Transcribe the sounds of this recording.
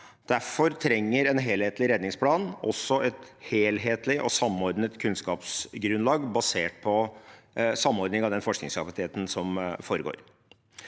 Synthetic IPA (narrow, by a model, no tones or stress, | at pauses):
d̪̥æfɔɾt̪ʰɾɛŋːəɾɛnɦeːlheːt̪lɪɾɛd̪nɪŋspʰlɑːnɔsːɔʔɛt̪heːlɦeːt̪lɪʔɔ̰sɑmːɔɾd̪nət̪kʰʉnskɑːpsɡɾʉnlɑːɡbɑseːʈ̚pʰɔ | sɑmːɔɾd̪nɪŋɑʋd̪ɛnfɔʂknɪ̰ŋskʰɑpɑt̪ʰeːt̪n̩sɔmfoːɾəɡo̰ːɾ